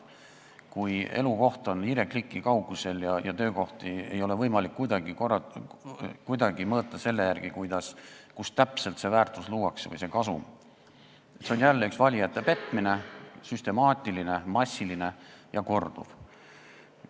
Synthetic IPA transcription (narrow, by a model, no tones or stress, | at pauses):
kuje̞̰luko̞ht̪o̞niɾe̞klikˑːikɑwɡ̥use̞ljɑjɑt̪ø̞ːko̞ht̪iejo̞le̞vɤjmɑlikːujd̪ɑɡ̥ik | kujd̪ɑɡ̥imɤːt̪ːˑɑse̞lːe̞jærɡ̥ikujd̪̥ɑskust̪æpse̞lt̪se̞væːrt̪ˑusluːɑksvɤ̰jse̞kɑsṵm | et̪seonjælːyksvɑlʲijɑt̪ˑːe̞pe̞t̪ˑmine̞syst̪e̞mɑːt̪ʲːˑiline̞mɑsʲːiline̞jɑko̞rd̪̥ṵv̥